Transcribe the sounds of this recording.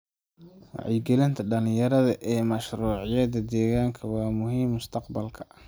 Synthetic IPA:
wɑ̰ʕɪjɡɛlɪnt̪ʰɐɖɐlɪjɐɾɐðɐʔɛːmɐʃruːʕɪjɐðɐd̪ɛːɣaːŋkʰɐwɑːmʊɦiːmːʊst̪ʰɐqbɐlkʰɐ̥

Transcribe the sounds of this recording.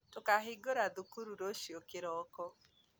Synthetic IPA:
tokaɦeɡoɾaðukuɾuɾoʃjokeɾɔkɔ

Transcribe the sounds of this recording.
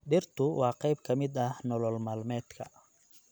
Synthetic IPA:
ɖɪrt̪ʰʊwɑːqɛjbkʰɐmɪd̪ɐhnɔlɔlmaːlmɛːd̪kʰɐ

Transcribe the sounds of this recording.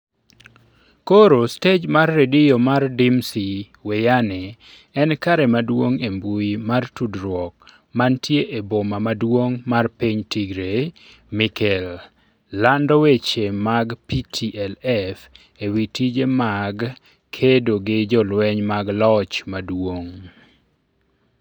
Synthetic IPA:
koɾosted͡ʒmarːedɪjomardɪmsi | wejanɛ | ɛnkaɾɛmadwoŋembuimartudɾwɔk̚ | mantjeʔebomamadwoŋmarpiɲtiɡɾe | mikʰɛlː | andɔwet͡ʃemaɡpitʰiʔɛlɛf | ewitid͡ʒemaɡ | kʰedoɡɪd͡ʒɔlwɛɲmaɡlɔt͡ʃmadwoŋ

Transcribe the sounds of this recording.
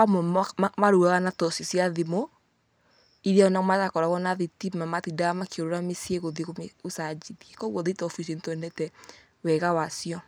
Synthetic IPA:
amɔmaɾuɣaɣanatɔsisjaðimo | iɾaɔnaɣɔmatakɔɾaɣɔnaðitimamatidaamakeoɾoɾamesieɣoðeɣomeosad͡ʒiðiɛkɔɣwɔðetɔfisientoɛnɛtɛ | wɛɣawasiɔ

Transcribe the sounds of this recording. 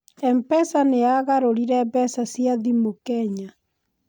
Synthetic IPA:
ɛmpɛsaneaɣaɾoɾiɾɛbɛsasiaðimokɛɲa

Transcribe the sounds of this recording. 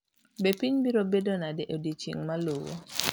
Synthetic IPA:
bepiɲbiɾobedonadɛʔodit͡ʃḭŋmalowo̰

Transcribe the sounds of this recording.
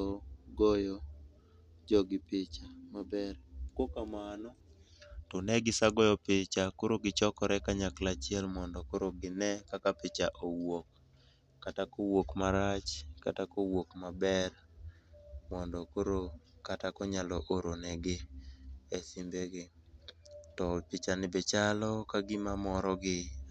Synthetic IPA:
ɔɡɔjɔ | d͡ʒɔɡɪpɪt͡ʃamabɛrkokamanɔ | tɔnɛɡɪsaɡɔjɔpɪt͡ʃakoɾoɡɪt͡ʃɔkɔɾɛkaɲaklat͡ʃɪɛlmɔndɔkoɾoɡɪnɛkakapɪt͡ʃaʔowokː | atakowokmaɾat͡ʃkatakowokmabɛr | mɔndɔkoɾokatakɔɲalɔʔoɾonɛɡɪ | ɛsɪmbeɡɪ | tɔpɪt͡ʃanɪbet͡ʃalɔkaɡɪmamɔɾɔɡɪ

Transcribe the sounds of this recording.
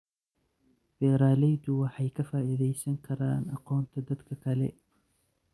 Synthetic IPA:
b̥ɛːɾaːlɛjd̪ʊwɑħɑjkʰɐfaːʔiðɛjsɐŋkʰɐɾaːnɑqɔːnt̪ʰɐd̪ɐd̪kʰɐkʰɐlɛ̰

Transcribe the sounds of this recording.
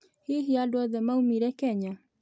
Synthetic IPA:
hiɦiadwɔðɛmaumiɾɛkɛɲa

